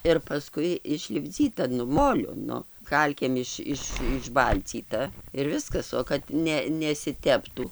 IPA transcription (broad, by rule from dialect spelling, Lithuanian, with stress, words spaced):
ɪr pɐˈskʊɪ ɪʃʲlʲɪbʲˈd͡zʲiːtɐ nʊ ˈmoːlʲʊ ˈnʊ ˈkɐlʲkʲeːm ɪʃ ˈɪʃ ɪʒˈbɐlʲt͡sʲiːtɐ ɪr ˈʋʲɪskɐs oː kɐt ˈnʲɛ nʲɛsʲɪˈtʲæːptuː